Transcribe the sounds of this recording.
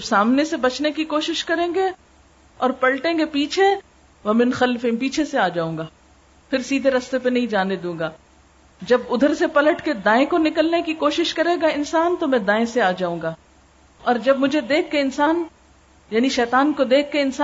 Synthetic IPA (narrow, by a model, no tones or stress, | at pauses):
ɐbsaːmnesebɐt͡ʃnekikoːʃɪʃkɐɾẽːŋɡe | ɔːɾpɐlʈẽːɡepiːt͡ʃʰe | ʋɐmɪnxɐlfɪ̃mpiːt͡ʃʰeseaːd͡ʒaːũːŋɡaː | pʰɪɾsiːd̪ʱeɾɐst̪epenɐɦĩd͡ʒaːned̪ũːɡaː | d͡ʒɐbʊd̪ʱəɾsepɐləʈked̪aːẽkonɪkəlnekikoːʃɪʃkɐɾeːɡaɪnsaːnt̪omɛ̃d̪aːẽseaːd͡ʒaːũːŋɡaː | ɔːɾd͡ʒɐb̚mʊd͡ʒʱed̪eːkʰːeɪnsaːn | jaːniʃɛːt̪aːnkod̪eːkʰːeɪnsa